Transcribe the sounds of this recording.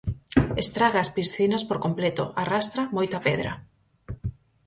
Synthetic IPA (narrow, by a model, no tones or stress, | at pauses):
est̪ɾaɣaːspisθinɐspoɾkomplɛt̪o̰ʔarast̪ɾɐmojt̪ɐpɛðɾɐ̰